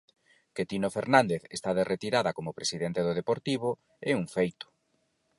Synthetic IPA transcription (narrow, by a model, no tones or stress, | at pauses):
ket̪inofeɾnand̪eθest̪aðerʔet̪iɾaðɐkomʊpɾesiðent̪eðʊðepoɾt̪iβ̞o | ɛuŋfejt̪ʊ̥